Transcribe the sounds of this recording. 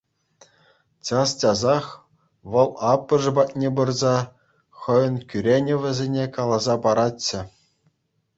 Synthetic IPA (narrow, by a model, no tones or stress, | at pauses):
t͡ɕɑst͡ɕʲɑzɑχ | ʋɤ̆lˠɑpːɤ̆ʐɤ̆bɑt̚ʲnʲebɯrzɑ | χɤ̆jɤ̆nkʲyɾʲenʲɘ̆ʋʲɘ̆zʲenʲekɑlˠɑzɑpɑɾɑt͡ɕːɘ̆